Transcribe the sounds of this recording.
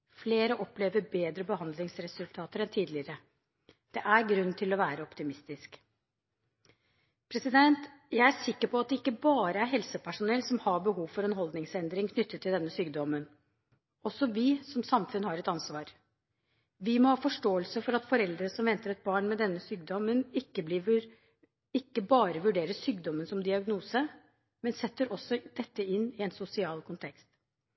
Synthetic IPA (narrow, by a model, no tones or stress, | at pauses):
fleːɾəʔɔpleːʋəɾbeːd̪ɾəbəhɑnd̪lɪŋsɾɛsʉlt̪ʰɑːt̪əɾɛnt̪ʰiːd̪lɪəɾə | d̪̥ɛʔæɾɡɾʉnːt̪ʰɪlɔʋæːɾəɔpt̪ɪmɪst̪ɪsk | pʰɾɛsɪd̪ɛnt̪jæɪæʂɪkːəɾpʰɔɑt̪̚d̪ɛɪkːəbɑːɾəæɾɦɛlsəpʰæʂʊnɛlːsɔmhɑbəɦuːʋfɔɾɛnɦɔld̪nɪŋsɛnd̪ɾɪŋkʰnʏt̪ːət̪ʰːɪld̪ɛnːəsyːɡd̪ɔmːən | ɔsːɔʋɪsɔmsɑmfʉnhɑɾɛt̪ɑnsʋɑːɾ | ʋɪmɔhɑːfɔʂʈoːəlsəfɔɾɑt̪fɔɾɛld̪ɾəsɔmʋɛnt̪əɾɛt̪̚bɑːɳmɛd̪ɛnːəsyːɡ̚d̪ɔmːənɪkːəbliːʋəɾ | ɪkːəbɑːɾəʋʉɖeːɾəʂyːɡd̪ɔmːənsɔmd̪ɪɑɡnuːsə | mɛnsɛt̪ːəɾʔɔsːɔd̪̥ɛt̪ːəɪnːɪɛnsʊsɪɑːlkʰʊnt̪ʰɛkst̪